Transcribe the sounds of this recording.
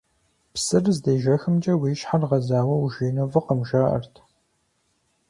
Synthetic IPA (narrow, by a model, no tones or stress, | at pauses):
psɨrzdeːʒɐxɨmd͡ʒʼɐwiːʃħarʁɐzaːwɐuʒiːnɐvɨqɐmʒaːʔɐ̰rtʰ